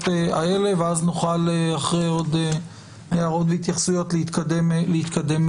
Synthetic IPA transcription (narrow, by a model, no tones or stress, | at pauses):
tea̰ele̞veaznuχaleaχʁejo̞d̪e | eaʁo̞t̪veit̪jaχsujo̞t̪leit̪kademlehit̪kad̪e̞m